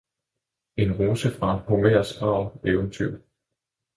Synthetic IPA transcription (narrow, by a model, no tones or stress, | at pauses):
e̝nʁoːsəfʁɑ̈enho̝meɐ̰sɡ̥ʁɑ̈ʊeʊənt͡sʰyʊ̰̥